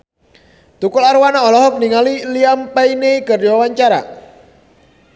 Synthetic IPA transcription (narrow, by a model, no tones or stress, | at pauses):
t̪ukʊlarwanaɔlɔɦɔk̚niŋaliliampaineikərawaɲt͡ʃaɾa̰